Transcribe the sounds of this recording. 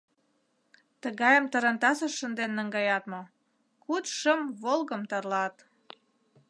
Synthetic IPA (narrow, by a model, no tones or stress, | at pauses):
t̪əɣɑjəmt̪əɾə̆nt̪ɑsəʃːənd̪enːəŋɡɑjɑt̪mo | kut̪ʃəmβolɣəmt̪ərlɑt̪